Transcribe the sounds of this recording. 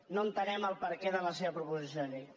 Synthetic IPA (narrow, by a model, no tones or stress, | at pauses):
nont̪ənɛməlˠpəɾkeðələseβɐpɾupuzis̬joni